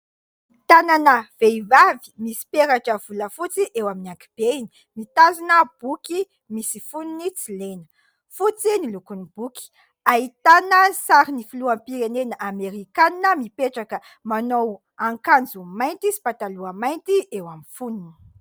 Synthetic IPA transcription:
t̪ananəv̥eivavi̥misi̥peɾaʈ͡ʂəv̥uləfut͡siʔewaminiakib̥eini̥ | mit̪azinəb̥uki | misifununit͡silenə̥ | fut͡sinilukunib̥uki̥ | ait̪anəsaɾinifiluampiɾenenəʔameɾikaninəmipeʈ͡ʂakə | manow | aŋkand͡zumajnt̪isi̥pat̪aluəmajnt̪iʔewamifununi̥

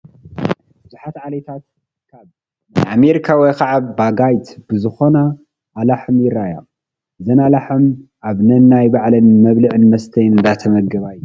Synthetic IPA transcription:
b̥ɨzuħat̪ʕalet̪ʰat̪ | kʰaβ | najameɾikʰawɔjkʰaʕaβːaɡajt̪b̥ɨzɨxo̞na | ʔːlaħɨmjɪrːaja̰ | zɐnalaħɨmʔaβnɐnːajbaʕlɐnmɐβlɨʕɨnmɐst̪ʰɐjnɨnd̪at̪ʰɐmɐɡɐβajːu

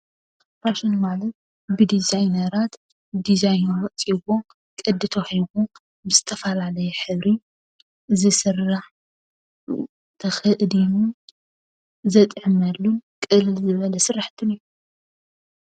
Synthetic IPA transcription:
ɾaʃonmalɐt̪̚ | bɨd̪izajnɐɾat̪ | d̪izajnɐɾɐʔt͡sʼiβo | kʼɨd̪ɨt̪ʰohiβo | bɨzɨt̪ʰɐfɐlalɐjɛħɨβɾi | zɨsɨrːaħ | t̪ʰɐxɨʔd̪inu | zɐt̪ʼʕɨmɐlːunkʼɨlɨlzɨβɐlɐsɨrːaħt̪ʰɨniju

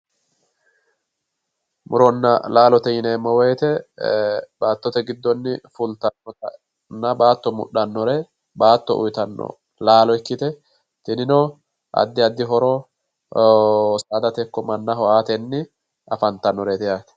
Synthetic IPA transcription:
mʊɾɔnːɐlaːlɔt̪ɛjɪnɛːmːɔwɛjt̪ɛ | b̥aːt̪ːɔt̪ɛɡɪd̪ːɔnːɪfʊlt̪ɐnːɔtɐ | nːɐbaːt̪ːɔmʊ̰ɗɐnːɔɾɛ | baːt̪ːɔ̰ʔʊ̰jt̪ɐnːɔ̰ | laːlɔɛkːɪt̪ɛ | t̪ɪnɪnɔ | ʔɐ̰d̪ːɪɐd̪ːɪɦɔɾɔ | saːd̪ɐt̪ɛkːɔmɐnːɐɦɔʔaːt̪ɛnːɪ | ɐfɐnt̪ːɐnːɔɾet̪ɛjaːt̪ɛ̥

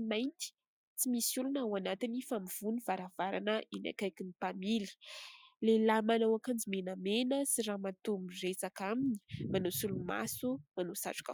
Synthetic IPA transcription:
majnt̪i̥ | t͡simisulunawanat̪inifamiv̥univaɾav̥aɾa̰nəina̰kajkinipamili̥lelamanawakand͡zimenəmenəsiɾamat̪umiret͡sakamini̥manosuluma̰sumanosa̰ʈ͡ʂu̥ka

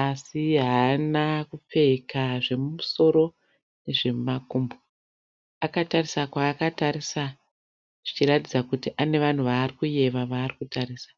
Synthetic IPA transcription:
asiɦaːnakup͡fe̞ikaʐe̞mumuso̞ɾo̞ | ne̞ʐe̞makumbo | akatarisakwaːkataɾisa | ʐ̥it͡ʃiratid͡zakutiʔane̞ʋan̤uʋaːrikuje̞ʋaʋaːrikutaɾiːsḁ

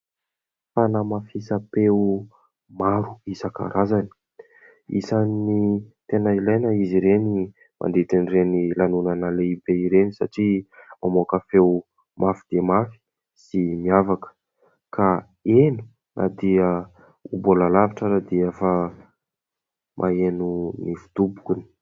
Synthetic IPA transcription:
fanamafisapeu | maɾuisaka̰ɾʔazani̥ | ḭsanːit̪enailajnaiziɾeni | mʔa̰nd̪et̪inirenilanunənaleibeiɾenisa̰ʈ͡ʂimamokəfew | mʔafid̪̥iəmafi̥ | simiavakə̥ | ka | eni̥ | nʔa̰d̪iə | ubolalavaʈ͡ʂaɾad̪iefa | mʔaenunifu̥t̪ubu̥kʲuni̥

